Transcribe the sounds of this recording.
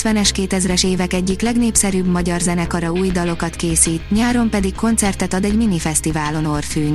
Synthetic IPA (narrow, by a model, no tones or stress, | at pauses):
t̪ʋɛnɛʃkeːt̪ɛzrɛʃeːvɛkɛɟːiklɛɡneːpsɛɾyːbmɒɟɒrzɛnɛkɒɾɒuːjd̪ɒlo̞kɒt̪keːsiːt̪ɲaːɾo̞mpɛd̪ikkːo̞nt̪sɛrt̪ɛt̪ɒd̪ɛɟminifɛst̪ivaːlo̞no̞rfyːn